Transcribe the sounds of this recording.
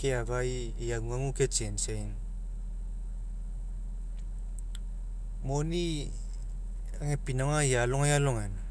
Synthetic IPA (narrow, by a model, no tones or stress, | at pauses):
keabaj | jaŋuŋaŋuket͡ʃensain | moni | aŋepinaŋajalɔŋajaloŋan